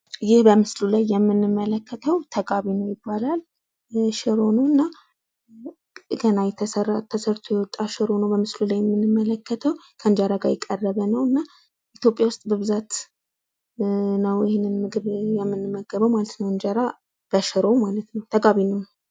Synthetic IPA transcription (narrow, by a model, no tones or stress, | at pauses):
jɪhbəmɨslulajːɛmːɨnːɨmːələkʰːət̪ʰəwt̪ʰəɡʼaβinəwjɪbːalal | ʃɪɾo̞nowɨnːa | ɡənajɛt̪ʰəsərːat̪ʰːəsəɾt̪ʰojɛwɔt̪ʼːaʃɨɾo̞nəwbəmɨslulajːɛmːnːɨmːələkːət̪ʰəwkʰəɨnd͡ʒaɾaɡajɛkʼːərːəβənəwɨnːa | ʔit̪jo̞pʼːjawʊst̪ʼbəβɨzat̪ | nəwjɪhenːɨnmɨɡɨβjɛmːɨnːɨmːəɡːəβəwmalət̪nəwɨnd͡ʒaɾa | b̥əʃɪɾo̞wmalət̪nəwt̪ʰəɡʼaβinəw